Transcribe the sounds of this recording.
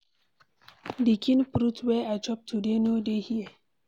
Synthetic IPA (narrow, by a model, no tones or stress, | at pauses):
dikʰĩnpɾutʰwɛat͡ʃɔp̚tʰudenodehiə